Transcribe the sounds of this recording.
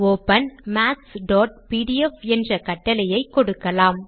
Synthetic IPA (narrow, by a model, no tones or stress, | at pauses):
oːpɐnmaːksɖɔːʈ̚piːɽɪɛfɛndrɐkɐʈːɐlɐjɐɪkːɔɽɯkːɐlaːm